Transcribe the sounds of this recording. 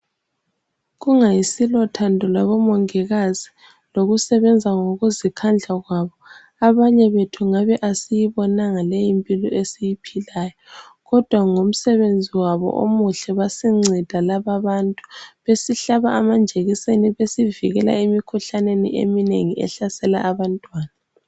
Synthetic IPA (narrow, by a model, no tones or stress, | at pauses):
ɣuŋajisilɔtʰandʱɔlaβɔmɔŋɛɣaz̥i | loɣusɛβɛnd͡zʱaŋoɣuzikʰand͡ɮʱaɣwaβɔ | aβaɲɛβetʰuŋaβɛʔasijiβɔnaŋalejimpʼilɔesijipʰilajɔ | ɣɔd̥ʱwaŋom̩sɛβend͡zʱiwaβɔ̰ʔo̰muɬɛβasiŋ͡ǀʱid̥ʱalaβaβantʼu̥βesiɬaβaʔamand͡ʒʱeɣiseniβesiviɣɛla̰emikʰuɬanenḭʔḛminḛŋiɛ̰ɬasɛla̰ʔːβantʼwaːna